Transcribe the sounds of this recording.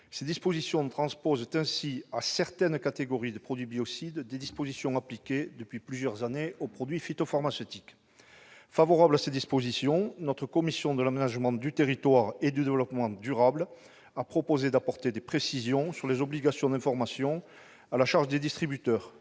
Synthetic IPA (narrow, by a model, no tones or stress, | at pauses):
sed̪ispɔzisjɔ̃t̪χɑ̃spɔzt̪ɛ̃siasɛʁt̪ɛnkat̪eɡɔʁid̪əpχɔd̪ɥibiɔsid̪d̪ed̪ispozisjɔ̃aplikʲed̪əpɥiplyzjœʁzaneopχɔd̪ɥifit̪ɔfaʁmasøt̪ik | favɔʁablased̪ispozisjɔ̃nɔt̪χəkɔmisjɔ̃d̪əlamenaʒmɑ̃d̪yt̪eʁit̪waʁed̪yd̪evəlɔpəmɑ̃d̪yʁabl | apχɔpozed̪apɔʁt̪ed̪epχesizjɔ̃syʁlezɔbliɡasjɔ̃d̪ɛ̃fɔʁmasjɔ̃ | alaʃaʁʒəd̪ed̪ist̪χibyt̪œʁ